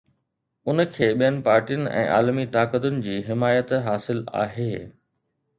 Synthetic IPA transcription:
ʊnəkʰeːɓijənɪ̆paːɾʈijʊnɪ̆ʔɛ̰̃ːʔa̰ːlmit̪aːkət̪ʊnɪ̆d͡ʑiːɦɪmaːjət̪ɦaːsɪla̰ːɦeː

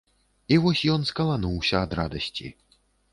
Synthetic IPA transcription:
ivɔsʲjɔnskɐlˠanuwsʲɐːd̪ɾad̪ɐsʲt͡sʲḭ

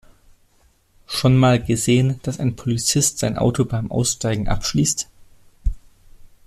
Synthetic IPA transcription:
ʃonmaːlɡəzeːənd̥asa̰ɪnpʰolit͡sɪstz̥aɪnʔa̰ʊtʰobaɪmʔa̰ʊsʃtaɪɡŋ̩ʔa̰pʃliːst

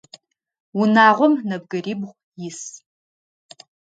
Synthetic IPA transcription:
wʊnaːʁʷɔmnɐb̚ɡɐriːbʁʷ | jɪs

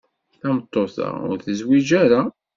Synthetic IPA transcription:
θæmət̪ˤːoθa̰ʊ̰ɾθəzwid͡ʒæɾa

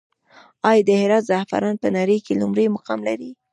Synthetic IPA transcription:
ɑjd̪əhɪɾɑt̪zaahfa̰ɾɑnpənɑɾəjkelumɾəjmʊqɑmlaɾi

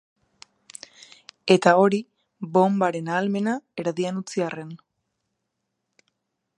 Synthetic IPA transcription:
e̞t̪ao̞ɾi | bo̞mbaɾe̞naːlme̞nae̞ɾaðianut͡siare̞n

